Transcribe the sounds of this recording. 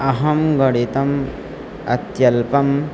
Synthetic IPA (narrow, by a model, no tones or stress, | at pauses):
ɐɦɐmɡɐɽet̪ɐm | ɐ̰t̪jɐlpɐm